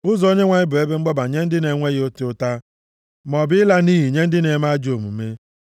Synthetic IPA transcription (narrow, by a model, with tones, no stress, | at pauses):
ʊ˦zɔ˨o˦ɲe˦ŋʷa˨ɲɪ˦bʊ˨e˦be˦ŋ͡m̩˦ɡ͡bɔ˦ba˨ɲe˦n̩˦dɪ˦ne˨ŋʷe˦ɣo˦tʊ˦ʊ˦ta˦ | mɔ˨bɪ˦ɪ˦la˦niː˦ɦi˨ɲe˦n̩˦dɪ˦ne˨˦ma˦d͡ʒo˨mṵ˨me˦